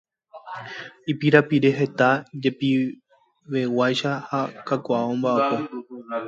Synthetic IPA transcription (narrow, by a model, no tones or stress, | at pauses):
ipiɾapiɾe̞ɦe̞t̪ad͡ʒe̞pi | ʋe̞wajʃahakakʷaʔaõmbaapo̞